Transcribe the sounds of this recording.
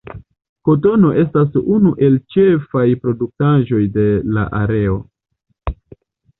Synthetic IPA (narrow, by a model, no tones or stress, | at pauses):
ko̞to̞no̞ʔe̞stasunuʔe̞lt͡ʃe̞fajpɾo̞duk̚taʒo̞jde̞la̰ʔa̰ɾe̞o̞